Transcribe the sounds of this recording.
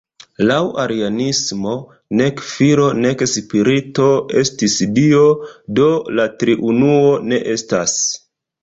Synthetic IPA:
lawaɾianismo̞ | ne̞kfiɾo̞ne̞kspiɾito̞e̞stisdio̞do̞latɾiʔunuo̞ne̞ʔe̞stas

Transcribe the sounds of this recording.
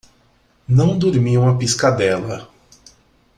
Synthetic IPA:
nɐ̃w̃d̪oɾmiũɐpiskad̪ɛlɐ

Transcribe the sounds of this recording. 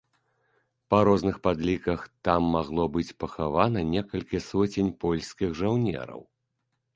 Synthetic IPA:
pɐɾɔznɨxpad̪lʲikɐxt̪amːaɣlˠɔbɨt͡sʲpɐxavan̪ɐnʲɛkɐlʲkʲisɔt͡sʲenʲpɔlʲsʲkʲiɣʐawnʲɛ̰ɾɐ̰w

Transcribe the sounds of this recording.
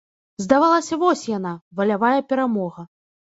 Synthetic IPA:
zd̪avalˠɐsʲɐvɔsʲjanavɐlʲavajɐpʲɛɾamɔɣɐ

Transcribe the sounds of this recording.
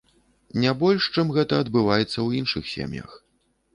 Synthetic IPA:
nʲabɔlʲʂt͡ʂɨmɣɛt̪ɐɐd̪bɨvajɛt̪sːɐwinʂɨ̰xsʲḛmʲjɐ̰x

